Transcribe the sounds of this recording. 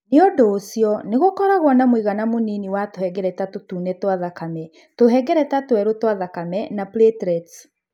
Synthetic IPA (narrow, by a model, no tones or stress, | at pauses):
neɔdoosjɔneɣokɔɾaɣwɔnamwiɣanamoniniwatohɛɡɛɾɛtatotunɛtwaðakamɛ | toɦɛɡɛɾɛtatoɛɾotwaðakamɛnapletɾɛt